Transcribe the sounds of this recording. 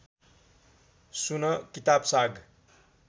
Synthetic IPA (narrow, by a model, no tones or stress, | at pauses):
sunʌkit̪absaɡ